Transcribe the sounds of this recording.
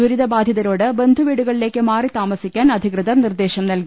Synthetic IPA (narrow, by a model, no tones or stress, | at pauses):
uɾiðɐbaːd̪ʱjɐðɐɾoːɽɨbe̞nd̪ʱuʋiːɽuɣɐɭile̞ːkːɨmaːrit̪aːmɐsikʲːaːnɐd̪ʱikrɨðɐrnird̪e̞ːɕɐmnɐlɡi